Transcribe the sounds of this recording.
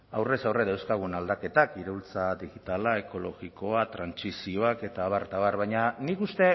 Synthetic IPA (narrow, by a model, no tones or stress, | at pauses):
awre̞sawreðewskaɣunald̪ake̞t̪akiɾeult͡saðiɣit̪alae̞ko̞lo̞̰ɣiko̞at̪ɾansisio̞ake̞t̪aːβaɾt̪aβaɾβajɲanikust̪e̞